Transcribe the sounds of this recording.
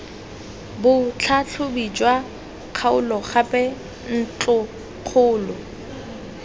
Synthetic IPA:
bʊt͡ɬʰat͡ɬʰʊbit͡ʃʼwa | q͡χʰaʊlɔχapʼɛ | n̩t͡ɬʼʊ | q͡χʰʊːlɔ

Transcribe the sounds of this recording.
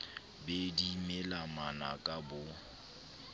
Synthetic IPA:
bedimelamanakʼabʊ

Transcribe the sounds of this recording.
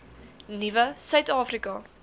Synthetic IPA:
nivəsœɥtɑːfrikɐ

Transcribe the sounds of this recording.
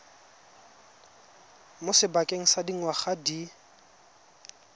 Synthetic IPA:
mosɪbakʼeŋ̩sadiŋ̩waχadi

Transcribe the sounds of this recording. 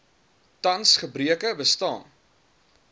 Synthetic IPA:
tɐnsχəbriəkəbəstɑːn

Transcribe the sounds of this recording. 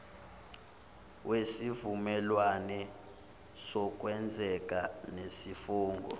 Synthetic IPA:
wʔesivumɛlwanɛ | sɔk̬ʼwɛnd͡zʱɛk̬ʼanesifuːŋɡʱɔ̰

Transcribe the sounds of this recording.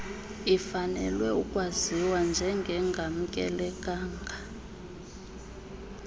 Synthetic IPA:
ifanɛ̰lwɛukʼwaziwand͡ʒʱɛŋɡʱɛŋɡʱam̩kʼɛ̰lɛkʼaːŋɡʱa

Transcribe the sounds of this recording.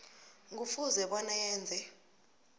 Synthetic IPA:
ŋʱufuzɛɓɔnajɛːnd͡zʱɛ

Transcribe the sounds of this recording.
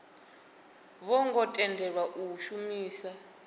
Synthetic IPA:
βɔŋɡɔtʼɛndʱɛɺaʔuʃumiːsa

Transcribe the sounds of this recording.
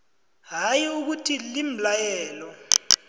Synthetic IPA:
ɦajiuk̬utʰilim̩lajɛːlɔ

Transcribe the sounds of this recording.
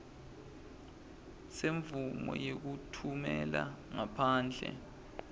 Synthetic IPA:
seɱvumɔ̰jek̬utʰumɛlaŋapʰaːnd͡ɮʱɛ̰

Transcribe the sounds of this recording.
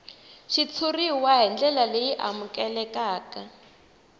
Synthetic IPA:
ʃit͡sʰuriwaɦɛnd͡ɮɛlalejiʔa̰mukɛlɛkaːka

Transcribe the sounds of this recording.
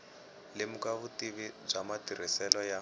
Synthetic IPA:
lɪmukaβutiβib͡ʐamatir̤isɛlɔja

